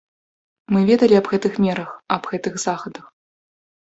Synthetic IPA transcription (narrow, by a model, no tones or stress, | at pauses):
mɨvʲɛd̪ɐlʲiɐbɣɛt̪ɨxmʲɛɾɐxɐbɣɛt̪ɨɣzaxɐd̪ɐx